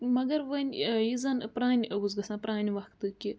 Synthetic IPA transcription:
mɐɡɐɾʋɐnʲjizɐnpɾaːnʲɐɡuzɡɐsãːpɾaːnʲiʋɐkt̪ɨkʲi

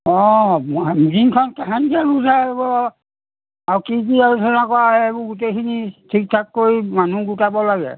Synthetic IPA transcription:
ɔ̃ | mɡiŋkʰɔnkaɦankialuzabɔ | aɹkik̬iaɹutʰɔnakɔɹaɛebɔɡutejkʰinitʰik̚tʰakːoɹimanuɡutabɔlaɡɛ̰

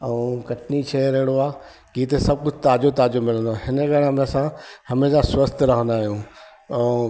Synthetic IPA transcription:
ɛ̃ũkɐʈʰnit͡ɕʰeːɾɐɦɪɽ̃oaː | kiːt̪̬esɐb̚kʊd͡ʑʱt̪aːd͡ʑot̪aːd͡ʑomɪlə̃nd̪oaɦɪnəɡɐɽ̃ãmẽɐsãhɐmeːʃãswɐst̪ɾɐɦə̃nd̪aːɦijũː | ɛ̃

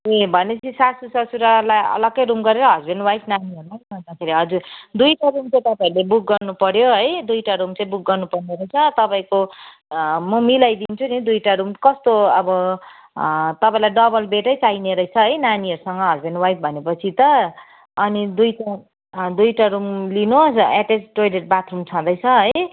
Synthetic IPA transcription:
ebʱʌnet͡sʰisasusʌsuɾalajʌ̰lʌɡkʌjɾumɡʌɾeɾʌɦʌd͡zbʱenwajpnaniɦʌɾulajsʌd͡zakʰeɾiɦʌd͡zud̪ujʈaɾumt͡saj̃t̪ʌpaɾulebuk̚ɡʌrnupʌɾjoɦʌjd̪ujʈaɾumt͡saĩbuk̚ɡʌrnupʌrneɾʌjt͡sʰʌt̪ʌpaĩko | mʌmilajd̪int͡sʰunid̪ujʈaɾumkʌst̪oʌbʌ | t̪ʌpaĩlajɖʌbʌlbeʈʌjt͡saineɾʌjt͡sʰʌɦʌjnaniɦʌɾusʌŋɡʌɦʌd͡zbenwajp̚ʰbʱʌnepʌt͡sʰit̪ʌ | ʌnid̪ujʈa | d̪ujʈaɾumlinoseʈesʈojleʈ̚bat̪ʰrumt͡sʰʌd̪ʌjt͡sʰʌʌj

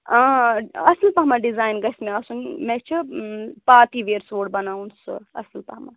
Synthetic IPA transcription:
ɐslpɐɦmaɖizaːjnɡɐsmeɐsunmẽt͡ʃʰipaːt̪iʋeːɾsoːɽbɐnaːunsɨ̰ɐ̰slpaɦma̰

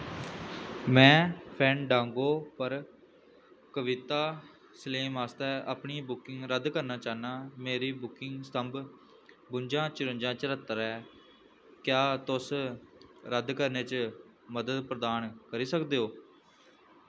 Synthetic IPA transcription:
mɛ̃ːpʰɛ̃ːnɖãːŋɡoːpəɾ | kəʋɪt̪aː | səleːmaːst̪ɛːəpɳĩːbʊkɪŋɡɾəd̪kəɾnaːt͡ʃaːnaːmeːɾiːbʊkɪŋɡst̪əmb | bʊɲd͡ʒãːt͡ʃəɾʊɲd͡ʒãːt͡ʃəɾət̪ːɾɛː | kjaːt̪ʊs | ɾəd̪kəɾneːt͡ʃ | məd̪əd̪pɾəd̪aːnkəɾiːsəkd̪eːɦoː

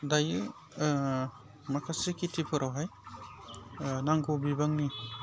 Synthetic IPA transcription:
dajɯ | makʰasekitʰipʰɯɾʔawɦaj | naŋɡubibaŋni

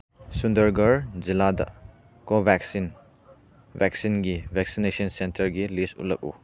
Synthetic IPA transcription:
sundɐɾɡɐɾd͡ʒiladɐ̰ | kobʱɛksin | vɛksinɡibʱɛksinesɔnsentɐɾɡilisṵlɐ̰k̚ṵ

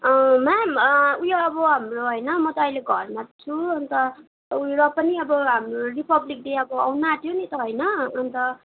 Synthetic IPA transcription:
ʌmamʌujoʌbʌɦamroɦʌjnʌmʌt̪ʌːjleɡʱʌrmat͡sʰuʌnt̪ʌ | ujoapʌniʌbʌɦamroripʌblik̚deʌbʌawnat̪ʰijonit̪ʌɦʌjnʌːnt̪ʌ

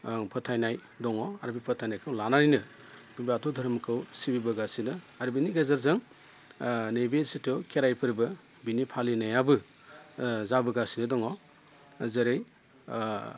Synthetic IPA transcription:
pʰɯtʰajnaj | dɔŋɔaɾbipʰɔtʰajnajkʰɯwlanaɾinɯ | bibatʰɔdʱɐɾmkʰɯwsibibɐɡasidɯ | aɾbiniɡazaɾzaŋ | nebesitʰɔwkʰeɾajpʰɯɾbɐ | binipʰalinajabɯ | zabɯɡasidɯdɔŋɔ | zɐɾej

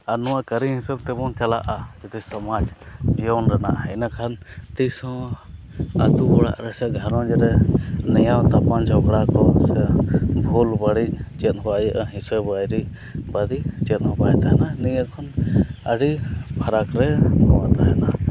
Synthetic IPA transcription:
anɔwaʔkəɾiɦĩsəbt̪ɛbɔnt͡ʃala̰ʔad͡ʒɛt̪ɛsɔmad͡ʒd͡ʒijɔwnɾɛna̰ʔhɛnakʰant̪isɔ̃ | at̪ubɔɽa̰ʔɾɛsɛɡʱəɾɔ̃d͡ʒɛɾɛnɛjawt̪apand͡ʒʰʱɔɡɽakɔsɛbʱulbaɽit͡ʃɛt̪̚ˀɦɔwaʔjəʔaɦisəbajɾi | bad̪it͡ʃɛt̪̚ˀhɔbajt̪aɦɛnanɛjəkʰɔnəɖipʰaɾakɾɛnɔwat̪aɦɛna

